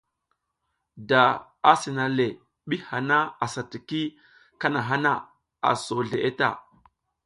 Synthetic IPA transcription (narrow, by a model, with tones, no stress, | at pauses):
da˨ | a˦si˨na˨le˨ | ɓi˦ha˨na˦a˨sa˨ti˨ki˦ | ka˦na˨ɦa˦na˦ | a̰˨so˨ɮe˨ʔe˦ta̰˦˨